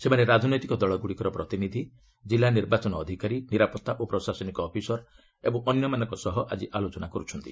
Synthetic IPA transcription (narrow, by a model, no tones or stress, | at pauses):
semaneɾad͡ʒɔnɔjt̪ikɔd̪ɔɭɔɡuɽikɔɾɔpɾɔt̪inid̪ʱi | d͡ʒilːaniɾbat͡ʃɔnɔːd̪ʱikaɾiniɾapɔt̪ːaʔopɾɔsasɔnikɔːpʰisɔɾ | ebɔŋɔnjɔmanɔŋkɔsɔɦɔʔad͡ʒiʔalot͡ʃɔnakɔɾut͡ʃʰɔnt̪i